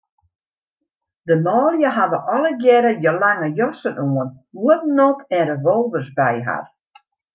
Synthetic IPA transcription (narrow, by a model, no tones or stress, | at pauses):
dəmɔːlˠjəɦadəʔɔlˠəɡjɛɾəjəlaŋəjɔsənuən | uətnopʰɛrəʋolˠvərsbɛjɦa̰r